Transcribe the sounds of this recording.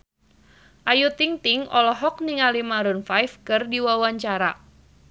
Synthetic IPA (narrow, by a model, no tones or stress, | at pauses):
ʔajut̪iŋt̪ɪŋɔlɔɦɔk̚niŋalimaɾʊnfajfkərdiwawaɲt͡ʃaɾa